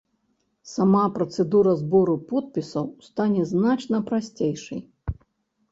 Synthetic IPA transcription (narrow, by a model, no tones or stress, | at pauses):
samapɾɐt̪sɛd̪uɾɐzbɔɾupɔt̪̚pʲisɐwst̪anʲɛznat͡ʂnɐpɾasʲt͡sʲejʂɐj